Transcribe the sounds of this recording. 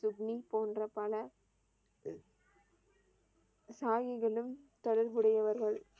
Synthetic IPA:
sʊbnipoːndrɐpɐɭɐ | saːjɪɣɐɭɯmt̪ɔɽɐɾʋɯɽɐjɐʋɐɾɣɐɭ

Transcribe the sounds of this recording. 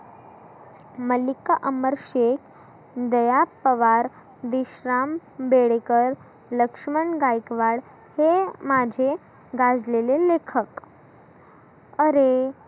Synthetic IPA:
məlikːaʔəməɾɕekʰ | d̪əjapːəʋaɾ | d̪iɕɾambeɽekəɾ | ləkʂməɳɡajkʋaɽ | hemad͡ʑʱe | ɡad͡zlelelekʰək | əɾe

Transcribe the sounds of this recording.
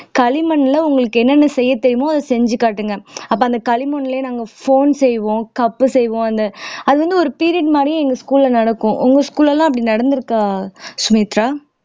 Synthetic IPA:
kɐlɪmɐɳːlɐʊŋɡɐɭɯkːɯɛnːɐnːɐsɛjːɐt̪ːɛɾɪjmõːɐðɐsɛɲd͡ʒɯkːaːʈːɯŋɡɐɐpːoːɐnd̪ɐkɐlɪmɐɳːɪleːnaːŋɡɐfoːnsɛjʋõːkɐpːɯsɛjʋõːɐnd̪ɐɐðɯʋɐnd̪ɯɔɾɯpiːɾɪɐʈmaːd̪ɾjʊ̃ɛŋɡɐskuːlːɐnɐɽɐkːʊ̃ʔʊŋɡɐskuːlɛlːãːɐpːɐɽinɐɽɐnd̪ɯɾɯkːãːsʊmiːt̪ɾaː

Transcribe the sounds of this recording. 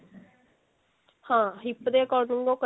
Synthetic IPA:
hãːɦɪpːd̪eːkɔɾnʊŋɡõːkə

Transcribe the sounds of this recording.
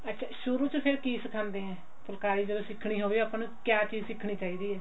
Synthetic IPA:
ətːʃʰaːʃʊɾuːt͡ʃəpʰɪɾkiːsɪkʰãːnd̪eːɦɛ̃ː | pʊlkaːɾiːd͡ʒəd̪õːsɪkʰɽ̃iːɦoːʋiːəpãːnũːkjaːt͡ʃiːzsɪkʰːɽ̃iːt͡ʃaːiːd̪iːɛː

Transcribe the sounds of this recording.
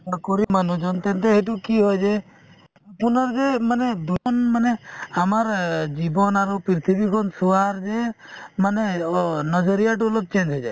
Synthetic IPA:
akoɾimanud͡ʒɔnt̪ent̪eɦeʈ̬ukiɦɔjd͡ʒe | punɔɾd͡ʒemaned̪uɔnmaneamaɾd͡ʒibɔnaɾupiɾt̪ʰibikʰɔnsuaɾd͡ʒe | manenɔd͡ʒɔɾijaʈ̬ulok̚t͡ʃend͡ʒɔd͡ʒa

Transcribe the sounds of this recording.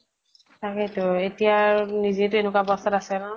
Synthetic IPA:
takɛtʊetijanizitʊenukwabɔstɔtasɛnɔ

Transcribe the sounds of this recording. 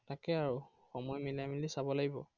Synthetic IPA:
takɛaɹu | xɔmɔjmilamilisabɔlaɡibɔ̰

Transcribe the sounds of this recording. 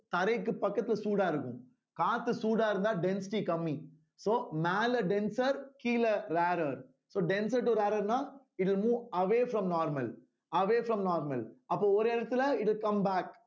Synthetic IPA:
t̪ɐɾɐɪkːɯpɐkːɐt̪ːɪlɐsuːɽaːɪɾɯkːʊ̃ | kaːt̪ːɯsuːɽaːɪɾɯnd̪aːɖɛnsɪʈikɐmːi | soːmaːlɐɖɛnsɐɾkiːlɐɾaːɾɐɾ | soːɖɛnsɐɾʈuɾaːɾɐɾnãː | ɪʈ̬ɪlmuːʋɐʋeːfɾɐ̃mnaːɾmɐl | ɐʋeːfɾɐmnaːɾmɐlɐpːoːɔɾɛɾɐt̪ːɪlɐɪʈɪlkɐ̃mbaːk

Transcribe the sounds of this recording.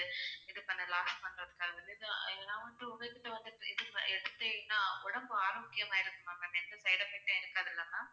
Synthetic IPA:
ɯɪðɯpɐɳːɐlaːsʈpɐɳːɾɐðɯkːaːɐðɪlːɪðɯɛlːãːʋɐnd̪ɯʊmɐt̪ːɪʈːɐʋɐnd̪ɯʈːɪðɯɛɽɯt̪ːɯnːaːʊɽɐmbɯaːɾɐmʊkːɪjɐmaːɪɾɯkːɯmaŋɐnɛnːɐsɐɪɽɐfɛk̚ʈːɐ̃ːɪɾɯkːaːðɪlːaːnaː

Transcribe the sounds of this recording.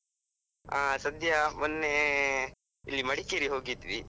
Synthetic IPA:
aːsɐd̪ʱjɐmonːe | ilːimɐɽikeɾiɦo̞ːɡid̪ʋi

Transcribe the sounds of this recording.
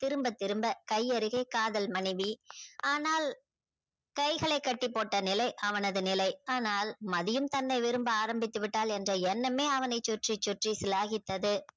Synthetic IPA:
t̪ɪɾɯmbɐt̪ːɪɾɯmbɐkɐɪɐɾɯɣeːkaːðɐlmɐɳɪʋiaːnaːl | kɐɪɣɐɭɐɪkːɐʈːɪpːoːʈːɐnɪlɐɪʔɐʋɐnɐðɯnɪlɐɪaːnaːlmɐðɪjɯmt̪ɐnːɐɪʋɪɾɯmbɯaːɾɐmbɪt̪ːɯʋɪʈːaːlɛndrɐɛnːɐmeːɐʋɐnɐɪt͡ʃːʊʈriʈt͡ʃʊʈrisɪlaːɣɪt̪ːɐðɯ

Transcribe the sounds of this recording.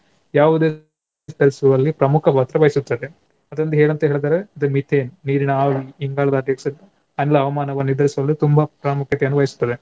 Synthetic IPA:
jaːʋud̪eː | t̪ɐɾisʋɐlːipɾɐmukʰɐbʱaːt̪ɾɐʋɐjisut̪ːɐd̪e | ɐd̪ɾɐnd̪ɐɦeːɭɐnt̪ɐɦeɭd̪aːɾeɐd̪emit̪ʰeːnnːiːɾinɐaːʋiiŋɡaːɭɐd̪ɐd̪jɐksɐ | ɐnlɐɐʋɐmaːnɐʋɐnid̪ɐɾisuʋɐlːit̪umbɐpɾaːmukʰjɐt̪ɛjɐnːuʋɐjisu̥t̪ːɐd̪e

